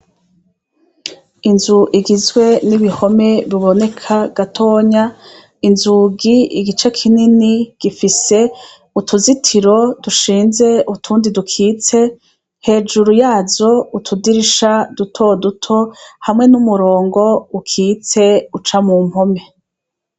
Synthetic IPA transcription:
inzuʔiɡizɡwe̞niβiho̞me̞βiβo̞ne̞kʰaɡ̥atʰo̞ːɲa | inzuɡiiɡit͡ʃakʰininiɡ̥ifise̞ | utʰuzitʰiɾo̞duʃiːnze̞utʰuːndidukʰiːt͡se̞ | he̞ːd͡ʒuɾujaːzo̞utʰudiɾiʃadutʰo̞dutʰo̞hamŋe̞numuɾo̞ːŋɡo̞ukʰiːt͡se̞ut͡ʃamuːm̥ho̞me̞

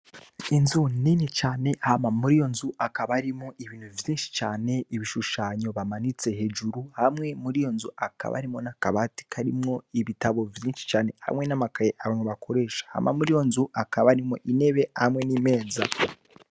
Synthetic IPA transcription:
inzuninet͡ʃaːne̞hamamuɾijo̞nzuʔakaβaɾimoʔiβiːn̥huvjiːnʃi̥t͡ʃaːne̞iβiʃuʃaːɲo̞βamanit͡se̞ɦe̞ːd͡ʒuɾuhamŋe̞muɾijo̞nzuaka̰βa̰ɾimo̞nakaβati̥kʰaɾimŋo̞iβitaβo̞vjiːnʃi̥t͡ʃaːne̞ha̰mŋe̞namakajeʔaβameβakʰo̞ɾe̞ːʃḁha̰mʔa̰muɾijo̞nzuakaβaɾimoʔine̞βe̞hamŋe̞niːme̞ːza

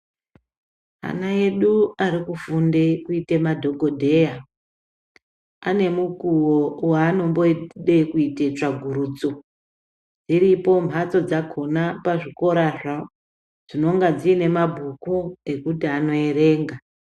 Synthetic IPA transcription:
a̰nae̞ɗuaɾikufundekuite̞madʱo̞ɡʱo̞dʱe̞ja | ane̞mukuwowaːno̞mbo̞ɗe̞kuite̞t͡ʂaɡʱuɾuːd͡zo̞ | d͡ziɾipo̞m̤ʱat͡so̞d͡zakʰo̞napaʐiko̞ɾaʐa | ʐ̥ino̞ŋɡad͡ziːne̞mabʱukue̞kutiano̞e̞ɾe̞ːŋɡa

